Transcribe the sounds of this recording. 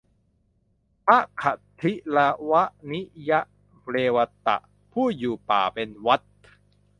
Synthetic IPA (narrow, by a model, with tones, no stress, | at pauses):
pʰa˦˥ʔkʰa˨˩t̪ʰi˦˥la˧wa˦˥ʔni˦˥ʔja˦˥ʔ | ɾeː˧wa˧t̪a̰˨˩ʔ | pʰuː˥˩juː˨˩pa̰ː˨˩pe˧nwa˦˥t̪̚